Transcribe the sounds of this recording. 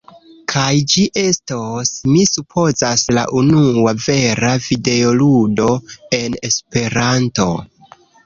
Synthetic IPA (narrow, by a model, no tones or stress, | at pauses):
kʰajd͡ʒiʔe̞stosmisupʰo̞zasla̰ʔunuave̞ɾavide̞oludo̞e̞ne̞spe̞ɾanto̞̰